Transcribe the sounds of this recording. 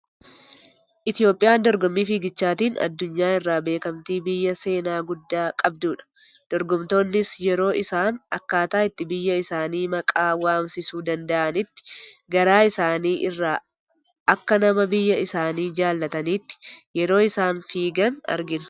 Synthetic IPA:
ʔɪt̪ɪjo̞ːpʼːɪjaːnd̪ɔɾɡɔmːiːfiːɡɪt͡ʃːaːt̪iːnɐ̰d̪ːʊɲːaːɪrːaːbe̞ːkɐmt̪iːbɪjːɐse̞ːnaːɡʊd̪ːaːkʼɐb̚d̪uːᶑɐ̥ | d̪̥ɔɾɡɔmt̪o̞ːnːɪsjɛɾo̞ːʔɪsaːnɐkːaːt̪aːɪt̪ːɪbɪjːɐɪsaːniːmɐkʼaːwaːmsɪsuːd̪ɐnd̪ɐʔɐnɪt̪ːɪ̥ɡɐɾaːɪsaːniːʔɪrːaː | ɐkːɐnɐmɐbɪjːɐɪsaːniːd͡ʒaːlːɐt̪ɐniːt̪ːɪ̥jɛɾo̞ːɪsaːnfiːɡɐnɐ̰ɾɡɪnɐ̥

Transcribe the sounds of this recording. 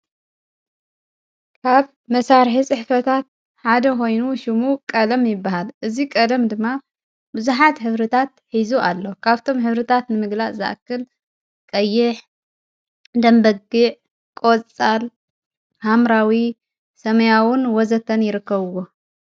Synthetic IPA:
kʰaβ | mɐsaɾħisʼɨħfɐt̪ʰat̪̚ | ħad̪ɐko̞jnuʃɪmukʼɐd̪ɐmjɪbːahalʔɨzikʼɐd̪ɐmd̪ɨmːa | bɨzuħat̪ħɨβɾɐt̪ʰat̪̚ħizuʔalːokʰaβt̪ʰo̞mħɨβɾɨt̪ʰat̪nɨmɨɡlaʔzɨ̰ʔkːɨl | kʼɐjːɪħ | d̪ɐmbɐɡɨʕ | kʼot͡sʼal | hamɾawi | sɐmɐjawʊnwɔzɐt̪ʰːɐnjɪɾɨkːɐβɨwo

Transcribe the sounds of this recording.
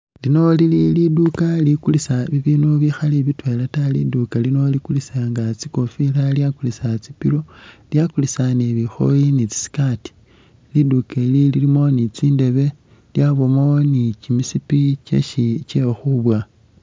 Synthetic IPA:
lino̞lililidukalikulisaβiβiːnuβixaliβitwe̞latalḭdukalino̞likulisaŋɡat͡siko̞filaljakulisat͡sipḭlo̞ljakulisaneβixo̞̰jinit͡si̥si̥kati̥ | lidukelililimo̞nit͡siːnde̞βe̞ | ljaβomonit͡ʃimisipit͡ʃe̞̰ʃit͡ʃexuβwa

